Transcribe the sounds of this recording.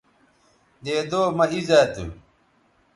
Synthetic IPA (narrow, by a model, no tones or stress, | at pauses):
d̪eːd̪oːmɐizat̪ṵ